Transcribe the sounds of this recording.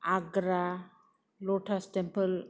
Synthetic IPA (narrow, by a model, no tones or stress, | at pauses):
aɡɾa | lɔʈʰastempəl